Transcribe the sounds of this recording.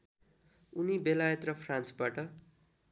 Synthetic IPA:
unibelajʌt̪rʌpʰrãnt͡sbaʈʌ

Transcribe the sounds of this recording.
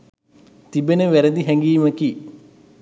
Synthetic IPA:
t̪ibenəʋæɾəd̪iɦɛŋɡiːməki

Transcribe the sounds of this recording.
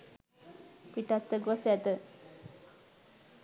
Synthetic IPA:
piʈast̪əɡosɛt̪ə

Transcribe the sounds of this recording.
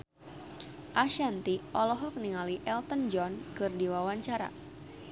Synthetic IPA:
ʔaʃant̪iʔɔlɔɦɔk̚niŋaliʔɛlt̪ənd͡ʒɔnkɨrdiwawaɲt͡ʃaɾa̰

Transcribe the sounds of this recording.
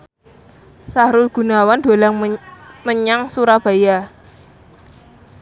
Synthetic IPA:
saɾʊlɡ̥ṳnawand̪̥o̤laŋməɲaŋsuɾab̥a̤ja

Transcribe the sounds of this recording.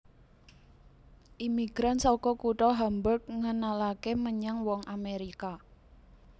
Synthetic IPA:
ʔimiɡ̥ɾansɔkɔkuʈɔɦambərk̚ŋənalakeməɲaŋwɔŋʔameɾika

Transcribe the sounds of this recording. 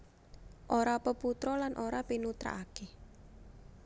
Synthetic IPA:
ʔoɾapəput̪ɾɔlanʔoɾapinut̪ɾa̰ʔake

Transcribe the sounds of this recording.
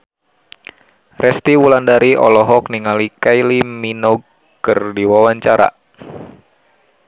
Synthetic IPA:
rʔɛst̪iwulandaɾiɔ̰lɔɦɔkniŋalikailiminɔɡ̚ | kɨrdiwawaɲt͡ʃaɾa̰

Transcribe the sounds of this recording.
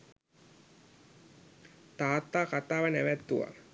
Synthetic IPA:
t̪aːt̪ːaːkat̪aːʋənæʋæt̪ːuʋa̰

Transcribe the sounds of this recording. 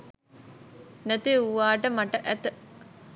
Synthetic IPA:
nɐt̪euʋaːʈəmɐʈɐʔæt̪ə

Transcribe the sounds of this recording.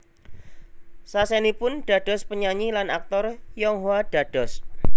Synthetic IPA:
sasɛnipʊnɖ̥ä̤ɖ̥ɔ̤spəɲaɲilanak̚t̪ɔrjɔŋɦwaɖ̥a̤ɖ̥ɔs

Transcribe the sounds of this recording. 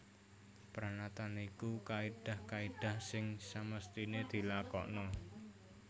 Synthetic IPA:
pɾanat̪anikukaiɖ̥a̤hkaiɖ̥a̤hsɪŋsaməst̪ined̪̥i̤lakɔ̰ʔnɔ

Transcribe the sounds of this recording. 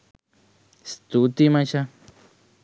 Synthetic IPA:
st̪ut̪imãʃa

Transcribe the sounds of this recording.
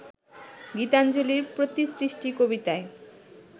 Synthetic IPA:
ɡit̪and͡ʑoliɾpɾot̪isɾiʃʈikobit̪ae

